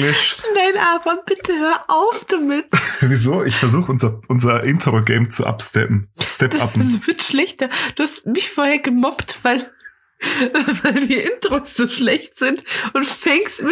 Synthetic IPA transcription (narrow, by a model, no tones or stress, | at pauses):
ɪdaɪnʔaːbɐb̥ɪtʰəhøːɐʔaʊfd̥uːmɪtviːzoːʔɪçfɛɐzuːxəʊnzɐʔʊnzɐʔɪntʰəʁoɡɛɪmt͡sṵʔa̰pstɛ̰pn̩stɛpdapsv̥ɪɐtʃlɛçtɐd̥uːhastmɪçfoːɐheːɐɡəmɔptv̥aɪl | vaɪldiːʔɪntʁ̥oːsz̥oːʃlɛçtz̥ɪntʔʊntfɛŋkstmɪ